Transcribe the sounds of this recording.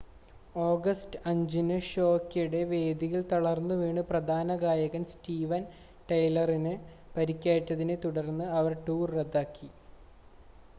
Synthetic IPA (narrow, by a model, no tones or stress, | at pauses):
oːɡɐstɨɐɲd͡ʑinɨɕo̞ːkːjuɽe̞ʋe̞ːd̪iɣilt̪oɭɐrnːɨʋeːɳɨprɐd̪ʱaːnɐɡaːjɐɣɐmstiːʋɐn | ʈɐjlɐrinɨ | pɐɾikʲːaːʈːɐðinet̪uɽɐrnːɨɐʋɐrʈuːrːed̪ːaːkːi